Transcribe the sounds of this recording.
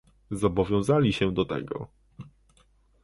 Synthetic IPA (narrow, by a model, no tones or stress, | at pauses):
zɔbɔvʲjɔ̃w̃zalʲiɕɛd̪ɔt̪ɛ̰ɡɔ̰